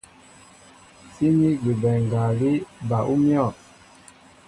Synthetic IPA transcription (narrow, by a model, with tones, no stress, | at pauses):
si˦ni˦ɡi˨bɛ˨ŋɡa˨li˦ba˨ʔu˦mjɔ˦˨t